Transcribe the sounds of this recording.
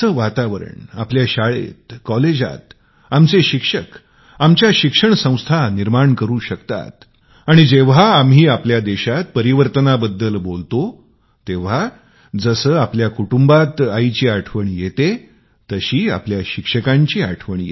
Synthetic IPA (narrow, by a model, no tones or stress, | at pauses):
səːʋat̪aʋəɾə̰ɳapljaɕaɭḛt̪kɔled͡ʑa̰t̪ | amt͡seɕikʂək | amt͡ɕjaɕikʂəɳsə̃w̃st̪ʰaniɾmaɳkəɾuːɕəkt̪a̰t̪ | aɽ̃id͡ʑeʋ̤aːmɦiːapljad̪eɕat̪̚pəɾiʋəɾt̪ənabəd̪ːəlbolt̪o | t̪eʋ̤a | d͡zəsəːapljakuʈumbat̪ait͡ɕiːaʈʰʋəɳijet̪e | t̪əɕiːa̰pljaɕikʂəkãɲt͡ɕiːa̰ʈʰʋəɳijḛ